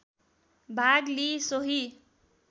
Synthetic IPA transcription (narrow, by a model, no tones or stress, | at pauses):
bʱaɡlisoɦi